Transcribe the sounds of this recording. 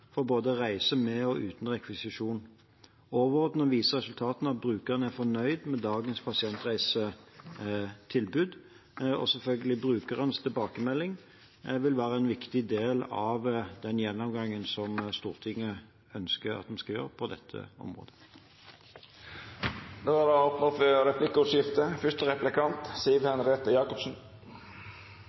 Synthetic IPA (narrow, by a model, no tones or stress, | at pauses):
fɔɾboːd̪əʁæɪsəmɛɔʔʉːt̪n̩ʁɛkʰʋɪsɪʂuːn | oːʋəɔt̪nɔʋiːsəʁɛsʉlt̪ʰɑːt̪n̩ɑt̪̚bɾʉːkəʁənəæfɔnœʏd̪mɛd̪ɑːɡənspʰɑsɪɛnt̪ʁæɪsə | t̪ʰɪlbʉːd̪ | ɔ̰sɛlfœlɡəlɪbɾʉːkəʁənst̪ʰɪlbɑːkəmɛlːɪŋ | ʋɪlʋæːɾəɛnʋɪkt̪ɪd̪eːlɑʋd̪ɛnjɛnːɔmɡɑŋːənsɔmst̪uːʁt̪ʰɪŋːə | œnskəɾɑ̰t̪̚d̪ɛmskɑjø̰ːɾəpʰɔd̪ɛ̰t̪ʰːə̰ɔ̰mʁo̰ːd̪ə | d̪oːæd̪ɛopnəføɾɛplɪkːəʉːt̪ʃɪft̪əfʏʂt̪əɾɛplɪkʰɑnt̪siːəʋhɛnɾeːt̪əjɑːkɔpsn̩